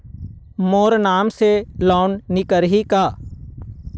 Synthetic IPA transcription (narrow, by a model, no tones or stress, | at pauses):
moːɾnaːmselɔːnnɪkəɾɦikaː